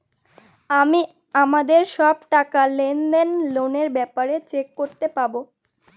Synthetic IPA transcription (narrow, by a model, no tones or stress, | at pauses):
ami | amad̪eɾʃɔbʈakalend̪enloneɾbɛpaɾet͡ɕekːoɾt̪epabo